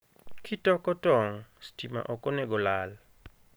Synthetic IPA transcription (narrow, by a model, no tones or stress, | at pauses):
kʰitɔkɔtɔŋstima̰ʔɔkonɛɡɔlal